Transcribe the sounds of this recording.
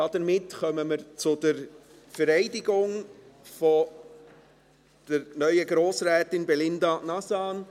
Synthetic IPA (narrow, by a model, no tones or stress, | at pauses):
dɑd̥̪əɾmɪtχœməməɾt͡sʊdəɾ | fəɾɛɪdɪɡʊŋfɔ | d̥əɾnœʏəɡɾoːsɾɛːtɪnbɛlɪnd̪ɑnɑsɑːn